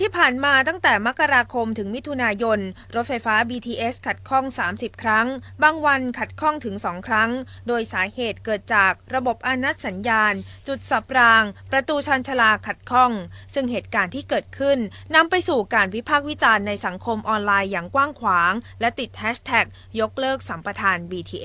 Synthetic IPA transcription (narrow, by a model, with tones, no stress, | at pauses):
t̪ʰiː˥˩pʰaː˨˩nmaː˧t̪a˥˩ŋt̪ɛː˨˩ma˦˥kːa˧ɾaː˧kʰo˧mt̪ʰɯ˩˦ŋmi˦˥t̪ʰu˧naː˧jo˧n | ɾo˦˥t̪̚fa˧jfaː˦˥biː˧t̪ʰiː˧ʔe˦˥skʰa˨˩t̪̚kʰɔ˥˩ŋsaː˩˦msi˨˩p̚kʰɾa˦˥ŋbaː˧ŋwa˧nkʰa˨˩t̪̚kʰɔ˥˩ŋt̪ʰɯ˩˦ŋsɔː˩˦ŋkʰɾa˦˥ŋdoː˧jsaː˩˦heː˨˩t̪̚kɤː˨˩t̪̚t͡ɕaː˨˩k̚ɾa˧bo˨˩p̚ʔa˧na˦˥t̪̚sa˩˦njaː˧nt͡ɕu˨˩t̪̚sa˨˩p̚ɾaː˧ŋpɾa˧t̪uː˧t͡ɕʰa˧nt͡ɕʰa˧laː˧˩kʰa˨˩t̪̚kʰɔ˥˩ŋsɯ˥˩ŋɦeː˨˩t̪̚kaː˧nt̪ʰiː˥˩kɤː˨˩t̪̚kʰɯ˥˩nːa˧mpa˧jsuː˨˩kaː˧nwi˦˥pʰaː˥˩k̚wi˦˥t͡ɕaː˧nːa˧jsa˩˦ŋkʰo˧mʔɔː˧nlaː˧jːaː˨˩ŋkwaː˥˩ŋkʰwaː˩˦ŋlɛ˦˥t̪i˨˩t̪̚hʰɛː˦˥st̪ʰɛ˨˩k̚ | jo˦˥k̚lɤː˥˩k̚sa˩˦mpɾa˧t̪ʰaː˧nbiː˧t̪ʰiː˧ʔe˦˥